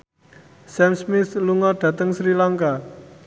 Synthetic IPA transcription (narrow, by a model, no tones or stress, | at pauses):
sɛmsmɪsluŋɔɖ̥ä̤t̪əŋsɾilaŋka